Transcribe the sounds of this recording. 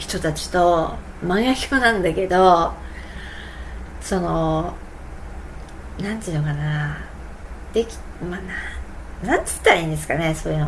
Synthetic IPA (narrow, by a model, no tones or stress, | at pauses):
çi̥t̪o̞t̪at͡ɕi̥t̪o̞ | mãɰ̃jakʲi̥konãnd̪ake̞d̪o̞ | so̞no̞ | nãnt̪ɨɯːnːokana | d̪̥e̞kʲi̥mana | nãnt̪e̥t̪ːaaĩːnd̪e̞sɨ̥kaneso̞ːjɯ̟no